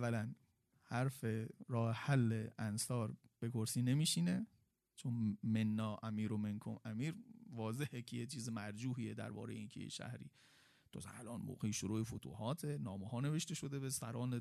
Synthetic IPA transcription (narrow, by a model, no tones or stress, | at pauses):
vælæn | hæɾfeɾɒːhehælːeʔænsɒːɾb̥e̞kʰoɾsiːne̞miːʃine̞ | t͡ʃʰonmenːɒːʔæmiːɾomenkʰo̰mæmiːɾvɒːze̞hekʰejet͡ʃʰiːzemæɾd͡ʒuːɦiːed̪æ̰ɾbɒ̰ːɾejeiːnkʰejḛʃæ̰hɾḭː | t̪ʰosæ̰lʔɒːnmo̰ːɣeiʃoɾuːʔefot̪ʰṵːhɒːt̪ʰenɒːmehɒːne̞ve̞ʃt̪e̞ʃo̞d̪ebesæ̰ɾɒːne